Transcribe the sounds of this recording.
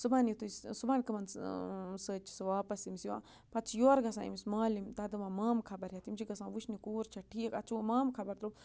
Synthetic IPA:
subanjit̪ussubaːnkɨmɐn | səːt͡ʃʰi̥sɨʋaːpɐsimsjiwã̰ː | pɐtt͡sʰjoːɾɡɐsã̰ːḭmismaːlimt̪ɐd̪ɨʋãːmaːmkʰɐbɐɾɦat̪imt͡ʃʰiɡɐsãːʋuʃnikuːɾt͡ʃʰɐʈʰiːkɐt͡ʃʰumaːmkʰɐbɐɾt̪ɾu

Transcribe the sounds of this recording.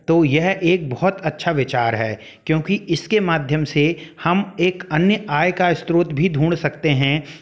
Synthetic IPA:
t̪oːjɛɦʔeːk̚bɔɦʊt̪ɐtːʃʰaʋɪt͡ʃaːɾɦɛː | kjõːkiɪskemaːd̪ʱjəmsehɐmeːkɐnjəaːjkaɪst̪ɾoːt̪bʱid̪ʱuːɽ̃sɐkt̪eɦɛ̃

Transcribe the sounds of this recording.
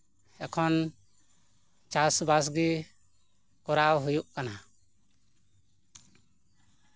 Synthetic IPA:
ɛkʰɔn | t͡ʃasbas̬ɡi | kɔɾawɦujuʔkana

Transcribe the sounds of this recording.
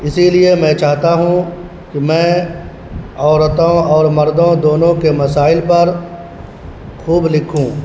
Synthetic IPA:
ɪsiliemɛ̃t͡ʃaːɦt̪aɦũ | kimɛ̃ː | ɔːɾət̪õɔːɾmɐɾd̪õd̪oːnõkemɐsaːɪlpɐɾ | xuːblɪkʰũː

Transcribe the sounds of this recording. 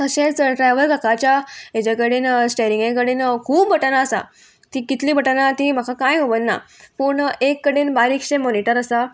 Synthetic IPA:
əɕelsəʈɾajʋəɾkakat͡ɕjaed͡ʑakəɽiːnsʈaɾiŋɡẽk̬əɽiːnkʰuːbːʱəʈənaəsa̰ | t̪ikit̪liːbʱəʈanat̪im̤akakãjɦoʋənːa̰pəːɳekːəɽiːnbaɾikɕemoniʈəɾəsa

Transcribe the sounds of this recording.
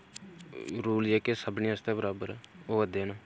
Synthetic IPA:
ɾuːljeːkesəbɳĩːəst̪ɛːbəɾaːbəɾoːəd̪eːnaː

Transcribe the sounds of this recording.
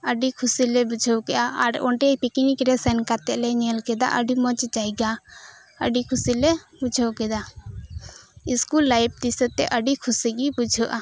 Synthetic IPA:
əɖikʰusilɛbud͡ʒʱəwkɛʔaʔaɾɔɳʈɛjpikinikɾɛsɛnkat̪ɛʔlɛɲɛlkɛd̪a̰ʔəɖimɔt͡ʃd͡ʒajɡa | ə̰ɖikʰusilɛbud͡ʒʱɔwkɛd̪a | iskulːajp̚d̪isət̪ɛʔəɖikʰusiɡibud͡ʒʱɔʔa

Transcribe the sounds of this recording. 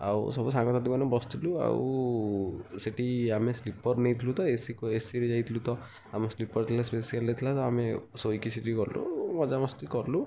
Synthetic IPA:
a̰wsɔbusaŋɡɔsat̪ibanɔbɔst̪ʰilua̰w̰ | siʈiameslipɔɾnejt̪ʰilut̪ɔesikesiɾezajt̪ʰilut̪ɔ | ameslipɔɾt̪ʰilaspesialnet̪ʰilat̪ɔamesojkisiʈikɔɾlṵmɔd͡ʒamɔst̪ikɔɾlu

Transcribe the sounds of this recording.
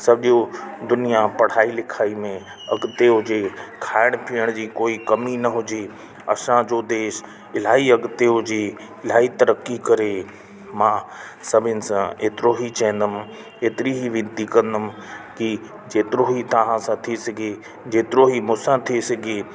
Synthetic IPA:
sɐbʱɪʄjod̪ʊnijapɐɽ̤aːilɪkʰaːimẽ | ɐɡt̪eːʊd͡ʑeːkʰaːɪɽ̃pʰiːəɽ̃d͡ʑiːkoːikɐminɐɦʊd͡ʑe | ɐsãd͡ʑoːd̪eːʃ | ɪl̤aːiɐɡt̪eːʊd͡ʑiː | ɪl̤aːit̪ɐɾəkːikɐɾe | mãːsɐbʱɪnɪ̆sãeːt̪ɪɾoɦit͡ɕɐ̃ɦə̃nd̪əm̆ | eːt̪ɪɾiɦiʋɪ̃nt̪ikɐ̃nd̪əm̆ki | d͡ʑeːt̪ɪɾoɦit̪ɐʋ̤ãsãt̪ʰiesɐɡʱe | d͡ʑeːt̪ɪɾoɦimʊ̃sãt̪ʰiesɐɡʱe

